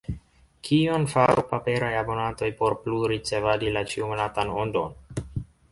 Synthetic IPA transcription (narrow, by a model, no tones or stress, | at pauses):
kʰio̞nfaɾupape̞ɾajabo̞nanto̞jpo̞ɾpluɾit͡se̞vadilat͡ʃiumonatanondo̞n